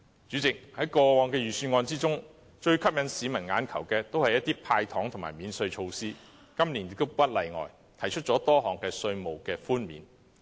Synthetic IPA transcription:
t͡ʃyː˨˥t͡sɪ˨k̚hɐ˨˥jkɔː˧wɔː˨˧ŋkɛː˧jyː˨˩syː˧nŋɔː˧nt͡siː˥t͡sʊ˥ŋ | t͡ʃɵ˧ɥkʰɐ˥p̚jɐ˨˧nsiː˨˧˥mɐ˨˩nŋaː˨˥nkʰɐ˨˩wkɛː˧t̪o˥whɐ˨jːɐ˥t̪̚iː˥pʰaː˧jt̪ʰɔː˨˥ŋt̪ʰʊ˨˩ŋma̰ː˨˩jmiː˨˧nsɵ˧ɥt͡ʃʰo˧wsiː˥ | kɐ˥mliː˨˩njɪ˨k̚t̪o˥wpɐ˥t̚lɐ˨jŋɔ̰ː˨˩j | t̪ʰɐ˨˩jt͡ʃʰɵ˥t̚t͡ʃɔː˨˥t̪ɔː˥ɦɔː˨˩ŋkɛː˧sɵ˧ɥmo˨˩wkɛː˧fuː˥nmḭː˨˥n

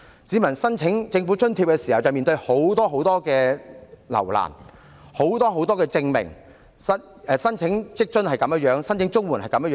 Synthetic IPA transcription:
t͡siː˨˥mɐ˨˩nsɐ˥nt͡sʰɪ˨˥ŋt͡sɪ˧ŋfu˨˥t͡ʃʰɵ˥nt̪ʰiː˧p̚kɛ˧siː˨˩hɐ˨wt͡sɐ˨wmiː˨nt̪ɵ˧ɥho˨˥wt̪ɔː˥ɦo˨˥wt̪ɔː˥kɛː˧lɐ̰˨˩wla̰ː˨˩n | ho˨˥wt̪ɔː˥ɦo˨˥wt̪ɔː˥kɛː˧t͡sɪ˧ŋmɪ̰˨˩ŋ | sɐ˥ | ɛ˨sɐ˥nt͡sʰɪ˨˥ŋt͡sɪ˥k̚t͡ʃɵ˥nhɐ˨jkɐ˨˧mjɐ˥jœː˨˥ŋsɐ˥nt͡sʰɪ˨˥ŋt͡sʊ˥ŋwuː˨˩nhɐ˨jkɐ˨˧mjjœː˨˧

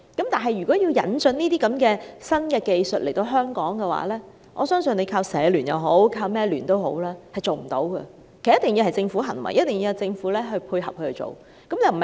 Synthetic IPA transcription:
kɐ˨˥mt̪aː˨˩nɦɐ˨jɥyː˨kɔː˨˥ji˧wjɐ̰˨˥nt͡sɵ˧niː˥t̪iː˥kɐ˨˥mkɛː˧sɐ˥nkɛː˧ke˨jsɵ˨t̚lʔe˨˩jt̪o˧wɦœː˥ŋkɔː˨˥ŋkɛː˧wa̰ː˨˥lɛː˥ | ʔɔ̰ː˨˧sœː˥ŋsɵ˨˧ne˨˧jkʰaː˧wsɛː˨˧lyː˨˩njɐ̰˨˧wɦo˨˥wkʰaː˧wmɛː˥lyː˨˩nt̪o˥wɦo̰˨˥wlaː˥hɐ˨jt͡so˨wm̩˨˩t̪o̰˨˥wɡɐ̰˧ | kʰːjɐ˥t̪ɪ˨˩ŋji˧whɐ˨jt͡sɪ˧ŋfuː˨˥ɦɐ˨˩nwɐ̰˨˩jɐ˥t̚t̪ɪ˨˩ŋji˧whɐ˨˩t͡sɪ˧ŋfuː˨˥lɛː˥ɦɵ˧ɥpʰuː˧jɦɐ˨p̚hʰɵ˧hɵ˧t͡so̰˨w | kɐ˨˥mja˨˧wm̩˨˩˨

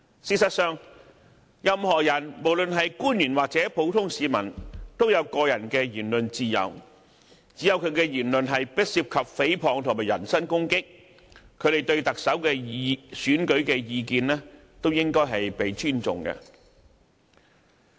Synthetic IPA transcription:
siː˨t̚sɐ˨t̚sœː˨ŋ | jɐ˨mhɔː˨jɐ˨˩nmo˨˩wlɵ˨nɦɐ˨jkuː˥njyː˨˩nwaː˨k̚t͡sɛː˨˥po˨˥wt̪ʰʊ˥ŋsiː˨˧mɐ˨˩nt̪o˥wjɐ˨˧wkɔː˧jɐ˨˩nkɛː˧jyː˨˩nlɵ˨nt͡siː˧jɐ̰˨w | t͡siː˨˥jɐ˨˧wkʰɵ˨˧ɥkɛ˧jyː˨˩nlɵ˧nɦɐ˨jpɪ˥t̚siː˧p̚kʰɐ˨p̚fe˨˥jpʰɔː˨ŋt̪ʰʊ˨˩maː˨˩jɐ˨˩nsɐ˥nkʊ˥ŋkɪ˥k̚ | kʰɵ˨˧ɾe˨˩jt̪ɵ˧ɥt̪ɐ˨k̚sɐ˨˥wkɛː˧ji˧syː˨˥nkɵ˨˥ɥkɛː˧jiː˧kiː˨nlɛː˥ | t̪o˥wjɪ˥ŋkɔː˥jɦɐ˨jpe˨jt͡ʃʰyː˥nt͡sʊ̰˨ŋkɛ̰˧

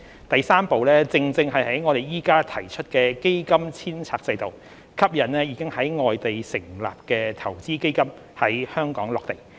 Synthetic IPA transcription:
t̪ɐ˨jsaː˥mpo˨wlɛː˥t͡sɪ˧ŋt͡sɪ˧ŋɦɐ˨jhɐ˨˥jŋɔː˨˧ɾe˨jjiː˥kaː˥t̪ʰɐ˨˩jt͡ʃʰɵ˥t̚kɛː˧ke˥jkɐ˥mt͡sʰiː˥nt͡sʰaː˧k̚t͡sɐ˧jt̪o˨w | kʰɐ˥p̚jɐ˨˩nnɛː˥jiː˧˥kɪ˥ŋhɐ˨˥jŋɔː˨jt̪e˨jsɪ˨˩ŋla̰ː˨p̚kɛː˧t̪ʰɐ˨˩wt͡siː˥ke˥jkɐ˥m | hɐ˨˥jhœː˥ŋkɔː˨˥ŋlɔː˨k̚t̪e˨˩j

